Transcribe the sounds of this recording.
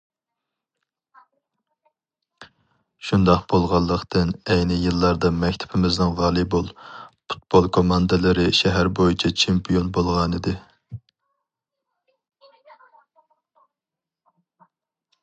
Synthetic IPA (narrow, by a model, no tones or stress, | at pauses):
ʃund̪ɑqb̥olˠʁɑlˠːəqt̪ʰɨnɛjnɪjɨlˠːɑɾd̪ɑmɛkʲt̪ʰɪ̥pʰɪmɪznɪŋʁɑːlˠibolˠpʰu̥t̪̚b̥olˠkʰomɑnd̪ɨlˠɨɾɪʃɛɦæɾbojit͡ʃʰɛt͡ʃʰempʰijonbolˠʁɑnɨd̪ɪ